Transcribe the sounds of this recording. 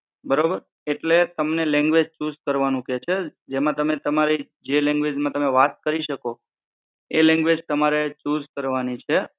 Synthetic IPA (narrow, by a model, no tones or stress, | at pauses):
bəɾobəɾ | eʈlet̪əmnelɛ̃ŋɡʋed͡ʒt͡ʃuzkəɾʋanũket͡ʃʰed͡ʒemãt̪əmet̪əmaɾi | d͡ʒelɛ̃ŋɡʋed͡ʒmãt̪əmeʋat̪̚kəɾiʃəko | elɛ̃ŋɡʋed͡ʒt̪əmaɾet͡ʃuzkəɾʋanit͡ʃʰe